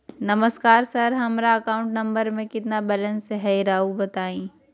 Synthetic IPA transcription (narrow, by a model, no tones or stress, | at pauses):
nɐməskaːɾsɐɾɦɐmɾaɐkaːʊ̃ɳʈnɐ̃mbəɾmẽkɪt̪nabɛlə̃nseɦɛiɾaːubɐt̪aːĩː